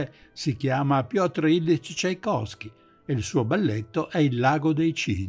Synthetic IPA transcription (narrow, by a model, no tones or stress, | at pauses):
esikjaːmapjɔt̪ɾeilːit͡ʃit͡ʃajkɔsk̟i | eilsuːobalːet̪ːoʔɛilːaːɡod̪ejt͡ʃḭː